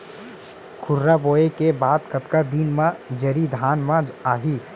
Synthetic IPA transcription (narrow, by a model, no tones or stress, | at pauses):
kʰʊɾɾaboːekebaːt̪kət̪kad̪inmãd͡ʒəɾid̪ʱaːnmãd͡ʒaːɦi